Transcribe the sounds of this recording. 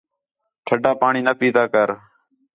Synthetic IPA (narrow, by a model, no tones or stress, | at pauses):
ʈʰəɖaːpaːɳiːnəpiːd̪aːkəɾ